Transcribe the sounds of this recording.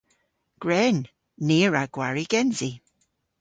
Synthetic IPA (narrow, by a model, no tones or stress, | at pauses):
ɡ̥ɹɛn | neːɹaɡ̥waɹiɡ̥ɛnzi